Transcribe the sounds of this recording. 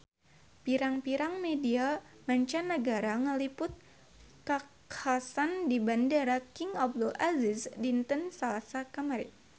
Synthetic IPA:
piɾaŋpiɾaŋmedia | maɲt͡ʃanːəɡaɾaŋəlipʊt̪̚ | kakʰasandibandaɾakiŋap̚dulʔazɪsdint̪ənsalasakamaɾɪ̰t̪̚

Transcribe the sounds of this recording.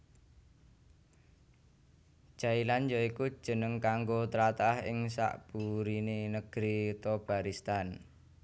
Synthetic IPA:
ʒ̥ailand͡ʒɔiku̥ʒ̥ə̤nəŋkaŋɡot̪əɾat̪aahɪ̰ŋsa̰ʔb̥uɾinenəɡ̥ɾit̪ob̥aɾist̪an

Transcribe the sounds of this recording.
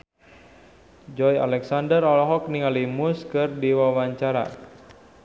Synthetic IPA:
d͡ʒɔja̰lɛksandərɔlɔɦɔk̚niŋalimʊskɨrdiwawaɲt͡ʃaɾa̰

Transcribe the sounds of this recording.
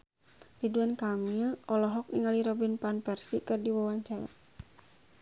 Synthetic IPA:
diduankamilɔlɔɦɔk̚niŋaliɾɔbinpanpɛrsikɨrdiwawaɲt͡ʃaɾa̰

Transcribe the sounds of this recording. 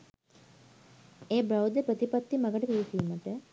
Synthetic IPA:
eːbɾawd̪epɾət̪ipat̪ːimɐɡəʈəpiːisiːməʈə

